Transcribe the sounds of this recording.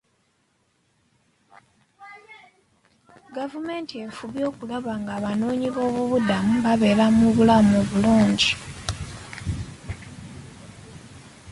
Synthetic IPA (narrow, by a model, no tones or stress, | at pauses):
ɡavume̞ːntie̞fuβjo̞ːkulaβaŋɡaːβano̞ːɲiβo̞ːβuβudamuβaβe̞ːɾamuβulamoβuluːɲɟi